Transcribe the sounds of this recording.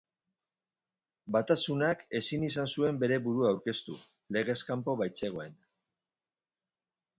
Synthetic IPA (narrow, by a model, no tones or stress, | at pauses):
bat̪asunake̞sinisansue̞mbe̞ɾe̞βuɾuawɾke̞st̪ṵ | le̞ɣ̞e̞skampo̞βajt͡se̞ɣ̞o̞e̞n